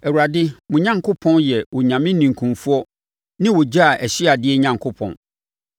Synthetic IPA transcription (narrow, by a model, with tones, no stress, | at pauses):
ɛ˨wu˨ɾa˨dɪ˦mʊ̃˨ɲã˦ŋkʰʊ˦pʰɔ̃˦njɛ˨wʊ˨ɲã˨mɪ̃˦nĩ˨ŋ̩˨kʰũ˨fu˦ɔ˦ | nɪ̃˦wʊ˨d͡ʑa˦a˨ʔæ˨ɕɪ˦a˨dɪ˦ɛ˦ɲã˨ŋkʰʊ˦pʰɔ̰̃˨n